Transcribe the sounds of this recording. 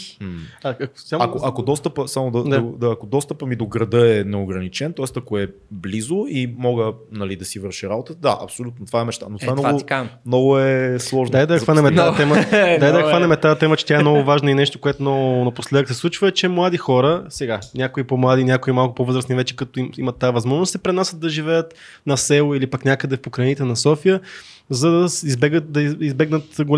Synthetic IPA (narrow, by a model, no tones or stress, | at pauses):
aɐksamɐkoʔɐkod̪ɔst̪əpəsamod̪ɐd̪ad̪aːkod̪ɔst̪əpəmid̪oɡɾɐd̪ɤɛnɛoɡɾɐnit͡ʃɛnt̪ɔɛst̪ɐkoɛblizoimɔɡənɐlid̪ɐsivɤɾʃiɾabot̪əd̪a̰ʔɐ̰psolʲut̪not̪vaɛmɛʃt̪anot̪amnɔamnɔɡʊɛslˠɔʒnd̪ajd̪ɐzvanɛmɛt̪aɛməd̪ajd̪ɐɛkvanɛmɛt̪aɐt̪ɛmət͡ʃɛ̥t̪jaɛmnɔɡʊvaʒnəinɛʃt̪okoɛt̪ʊnonɐposlɛəksɛslˠut͡ʃvəɛt͡ʃɛmlˠad̪ixɔɾəsɛɡanʲakoipomlˠad̪inʲakoimalˠkʊpovɤzɾəsnivɛt͡ʃɛ̥kɐt̪oiimət̪ːaəvɐzmɔʒnst̪ɛpɾɛnasət̪ːɐʒivɛjət̪ | nɐsɛlˠoilipaknʲakəd̪ɛfpokɾɐnit̪ɛnɐsɔfijə | zɐd̪ɐizbɛɡət̪̚d̪ɐizbɛɡnət̪ɡol